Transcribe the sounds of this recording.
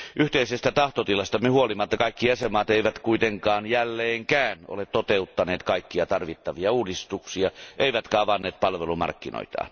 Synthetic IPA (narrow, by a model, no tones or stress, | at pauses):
ʔyht̪eisest̪æt̪ɑht̪ot̪ilɑst̪ɑmehuolimːɑt̪ːɑkɑikːijesemɑːt̪eiʋæt̪kuit̪eŋkɑːnjælːeːŋkæːno̰let̪ot̪eut̪ːɑneːt̪kɑikːiɑt̪ɑrʋit̪ːɑʋiɑuːdist̪uksiɑʔeiʋæt̪kɑːʋɑnːeːt̪̚pɑlʋelumɑ̰rkːino̰it̪ɑ̰ːn